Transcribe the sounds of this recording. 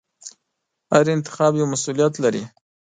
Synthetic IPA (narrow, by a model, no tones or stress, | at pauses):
haɾɪnt̪ɪ̥xɑbjawmasulijat̪laɾḭ